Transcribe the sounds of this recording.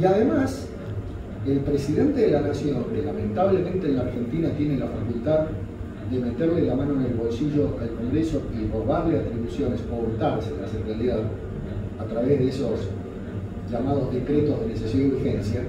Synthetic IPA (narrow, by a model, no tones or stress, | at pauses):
iaðemas | e̞lpɾe̞siðe̞nt̪eðelanasjo̞ŋlelamẽ̞nt̪aβlemẽ̞nt̪eːnlaːɾxe̞nt̪inat̪jenelafakult̪að | d̪eme̞t̪eɾlelamanoene̞lβo̞lsiʒo̞ʔalko̞ŋɡɾeso̞ipoβaβleat̪ɾiβusjo̞nesoβunt̪aɾseðlaserealiðað | at̪ɾaβezðeesos | ʒamað̞o̞zðe̞kɾet̪ozðenesesjoniβiɾxensja